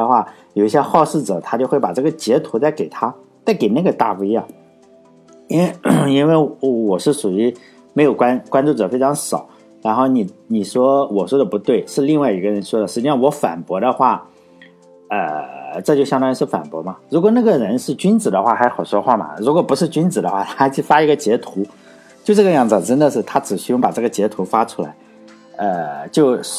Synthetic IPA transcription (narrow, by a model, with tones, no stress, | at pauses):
ə˧xwa˥˩ | jo˨˩ʊi˥ɕ̬jɛ˥xɑ˥˧ʊʂ̩˥˩ʈ͡ʂɤ̰˨˩˦t̪ʰa˥t͡ɕjo˥˧ʊxwe˥˩ɪpa˨˩ʈ͡ʂɤ˥˩ɡə˩t͡ɕjɛ˧˥t̪ʰu˧˥t͡sa˥˩ɪke˨˩ɪt̪ʰa˥ | t͡sa˥˩ɪke˨˩ɪna˥˩ɡə˩t̪a˥˩fu˧˥i˥a˧˩ | i˥nwe˥˧ɪi˥nwe˥˩ɪwwɔ˨˩ʂɻ̩˥˩ʂu˨˩y˧˥ | me˧˥ɪjo˨˩ʊkwa˥nkwa˥nʈ͡ʂu˥˩ʈ͡ʂɤ˨˩fe˥ɪʈ͡ʂʰɑ˧˥ŋʂɑ˨˩˦ʊ | ɻa˧˥nxo˥˩ʊni˨˩ni˨˩ʂwɔ˥wɔ˨˩ʂwɔ˥d̪ə˨˩pu˧˥t̪we˥˩ɪʂɻ̩˥˧li˥˧ŋwa˥˩ɪi˧˥ɡə˧ɻə˧˥nʂwɔ˥d̪ə˨ʂɻ̩˧˩t͡ɕi˥ʂɑ˥˩ŋwɔ˧˥fa̰˨˩npwɔ˧˥d̪ə˧xwa˥˩ | ə˧˩ʈ͡ʂɤ˥˧t͡ɕjo˥˧ʊɕjɑ˥ŋɑ˥˧ʂɻ̩˥˩fa̰˨˩npwɔ̰˧˥mɐ˧ɻu˧˥k̬wɔ˨˩na˥˩ɡə˩ɻə˧˥nʂɻ̩˥˩t͡ɕy˥nt͡sɹ̩˨˩d̪ə˦xwa˥˩xa˧˥ɪxɑ˨˩ʊʂwɔ˥xwa˥˩mɐ̰˩ɻu˧˥kwɔ˨˩pu˧˥ʂɻ̩˥˧t͡ɕy˥nt͡sɹ̩˨˩d̪ə˦xwa˥˩t̪ʰa˥t͡ɕo˥˩fa˥i˧˥ɡə˧t͡ɕjɛ˧˥t̪ʰu˧˥ | t͡ɕjo˥˧ʊʈ͡ʂɤ˥˩ɡə˩jɑ˥˩ŋt͡sə˨˩ŋʈ͡ʂə˥nd̪ə˨ʂɻ̩˥˩t̪ʰa˥ʈ͡ʂɻ̩˨˩ɕy˥jʊ˥˩ŋpa˨˩ʈ͡ʂɤ˥˩ɡə˩t͡ɕjɛ˧˥t̪ʰu˧˥fa˥ʈ͡ʂʰu̥˥la̰˧˥ɪ | ə˧t͡ɕjo˥˧ʊ